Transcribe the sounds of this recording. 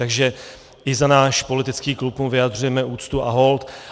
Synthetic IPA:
t̪aɡʒɛ | ʔɪzanaːʃpo̞lɪt̪ɪt͡skiːklupmuvɪjad̪r̝ujɛmɛʔuːt͡st̪uʔaɦolt̪

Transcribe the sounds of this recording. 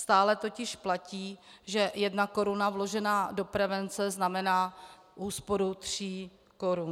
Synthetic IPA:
st̪aːlɛt̪o̞cɪʃplaciː | ʒɛjɛdnako̞ɾunavlo̞ʒɛnaːdo̞pɾɛvɛnt͡sɛznamɛnaː | ʔuːspo̞ɾut̪r̥iː | ko̞ɾun

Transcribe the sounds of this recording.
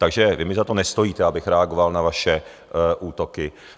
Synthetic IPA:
t̪aɡʒɛvɪmɪzat̪o̞nɛst̪o̞jiːt̪ɛabɪxɾɛaɡo̞valnavaʃɛ | ʔuːt̪o̞kɪ

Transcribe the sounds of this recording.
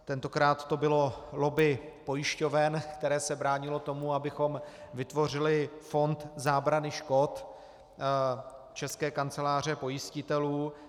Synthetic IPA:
t̪ɛnt̪o̞kɾaːt̪ːo̞bɪlo̞lo̞bɪpo̞jɪʃco̞vɛnkt̪ɛɾɛːsɛbɾaːɲɪlo̞t̪o̞muabɪxo̞mvɪt̪vo̞r̝ɪlɪfo̞nt̪zaːbɾanɪʃko̞t̪ | t͡ʃɛskɛːkant͡sɛlaːr̝ɛpo̞jɪscɪt̪ɛluː

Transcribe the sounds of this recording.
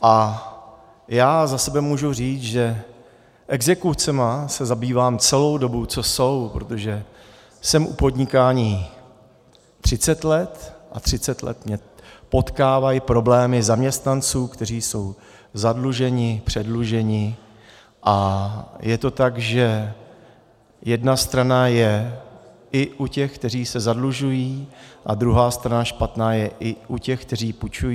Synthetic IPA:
ʔa | jaːzasɛbɛmuːʒuriːt͡sʒɛ | ʔɛɡzɛkut͡sɛmasɛzabiːvaːmt͡sɛlo̞wdo̞but͡so̞so̞wpɾot̪o̞ʒɛ | sɛmʔṵpo̞d̪ɲɪkaːɲiː | t̪r̝̥ɪt͡sɛt̪lɛt̪ʔa̰t̪r̝̥ɪt͡sɛt̪lɛ̰t̪mɲɛpo̞t̪kaːvajipɾo̞blɛːmɪzamɲɛst̪nant͡suːkt̪ɛriːso̞w | zadluʒɛɲɪpr̝̥ɛdluʒɛɲɪ | ʔajɛt̪o̞t̪aɡʒɛ | jɛdnast̪ɾanajɛ | ʔɪʔucɛxk̚t̪ɛriːsɛzadluʒujiːʔad̪ɾuɦaːst̪ɾanaʃpat̪naːjɛʔɪʔucɛxk̚t̪ɛr̝iːput͡ʃujiː

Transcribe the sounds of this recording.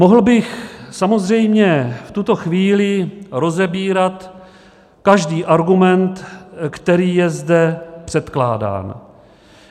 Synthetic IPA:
moɦl̩bɪxsamo̞zr̝ɛjmɲɛft̪ut̪o̞xviːlɪɾo̞zɛbiːɾat̪ | kaʒdiːʔaɾɡumɛnt̪kt̪ɛɾiːjɛzdɛpr̝̥ɛt̪kla̰ːda̰ːn

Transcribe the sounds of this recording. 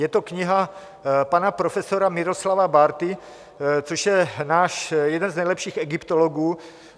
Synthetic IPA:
jɛt̪okɲɪɦa | panapɾofɛsoɾamɪɾoslavabaɾt̪ɪ | t͡soʃjɛnaːʃjɛdɛnznɛjlɛpʃiːxɛɡɪpt̪oloɡuː

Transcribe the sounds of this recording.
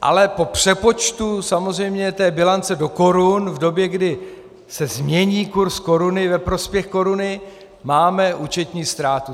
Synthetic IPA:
ʔa̰lɛpo̞pr̝̥ɛpo̞t͡ʃt̪usamozr̝ɛjmɲɛt̪ɛːbɪlant͡sɛdo̞ko̞ɾunvdo̞bjɛɡdɪ | sɛzmɲɛɲiːkuɾsko̞ɾunɪvɛpɾo̞spjɛxko̞ɾunɪ | maːmɛʔuːt͡ʃɛt̪ɲiːst̪ɾaːt̪u

